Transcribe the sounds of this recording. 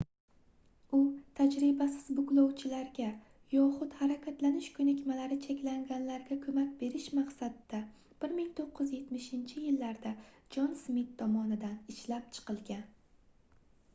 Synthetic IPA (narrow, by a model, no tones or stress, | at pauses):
ʊt̪ʰad͡ʒɾɪbasɪz̥bʊklˠɒwt͡ʃʰɪlaɾɡʲa | jɒχʊt̪haɾakʲat̪lanɪʃkʰʊnakʲmalaɾɪt͡ʃʰekʲlaŋɡʲanlaɾɡʲakʰɵmakʲbe̞ɾɪʃmaqsad̪ɪ̥ːa | b̥ɪɾmɪŋt̪ʰoqːɨzje̞t̪mɪʃɪnt͡ʃʰɪjɪlːaɾd̪ad͡ʒɒnsmɪt̪ʰːɒmɒnɪd̪anɪʃlap̚t͡ʃʰɨ̥qʰɨlˠɡʲan